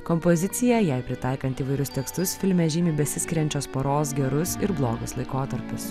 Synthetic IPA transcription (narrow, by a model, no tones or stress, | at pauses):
kɔmpɔzʲɪt̪sʲɪjɛjɛɪpʲɾʲɪt̪ɑˑɪkɐnt̪iːʋɐɪɾʲʊst̪ʲɛkst̪ʊsfʲɪlʲmʲɛʒʲɪmʲiːbʲɛsʲɪsʲkʲɪɾʲɛnʲt͡ʃʲoːspoɾoːs̬ɡʲɛɾʊsɪɾblˠoːɡʊslˠɐɪkoːt̪ɐɾʲpʲʊs